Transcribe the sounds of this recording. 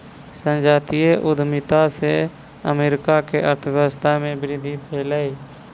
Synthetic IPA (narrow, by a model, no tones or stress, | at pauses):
sə̃nd͡ʒaːt̪ijeʔʊd̪ʱmɪt̪ase | ə̰meːɾɪkakeʔəɾt̪ʰəʋjəst̪ʰamẽbɪɾɪd̪ʱːipʰeːlaːi